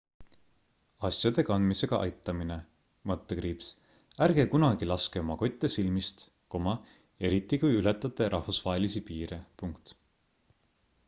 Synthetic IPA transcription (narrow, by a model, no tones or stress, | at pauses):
ɑsjɑd̪̥e̞kɑnd̪mise̞ɡ̥ɑʔɑ̰jt̪ːˑɑmine̞ | mɤt̪ːekrɾiːps | æɾɡ̥ekunɑɡilɑske̞o̞mɑko̞t̪ʲːˑesilmist̪ | komɑ | e̞ɾit̪ːˑikujylet̪ːˑɑt̪ːˑeɾʔɑhfusv̥ɑɦe̞lisipiːɾepuŋkt̪